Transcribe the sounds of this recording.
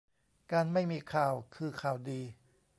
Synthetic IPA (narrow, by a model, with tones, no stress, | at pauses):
kaː˧nma˥˩jmiː˧kʰaː˨˩wkʰɯː˧kʰaː˨˩wdiː˧